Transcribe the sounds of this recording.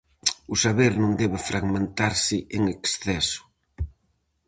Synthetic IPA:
ʊsaβeɾnõŋd̪ɛβɪfɾʔaɣmẽnt̪aɾsɪʔeŋeksθɛsʊ̥

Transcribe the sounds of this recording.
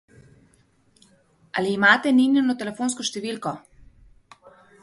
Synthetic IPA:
aliːmaːt̪ɛninjɛnɔt̪ɛlɛfoːnskɔʃt̪ɛʋiːlkɔ

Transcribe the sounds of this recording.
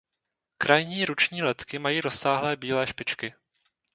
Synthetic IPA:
kɾʔajɲiːɾut͡ʃɲiːlɛt̪kɪmajiːɾosaːɦlɛːbiːlɛːʃpɪt͡ʃkɪ

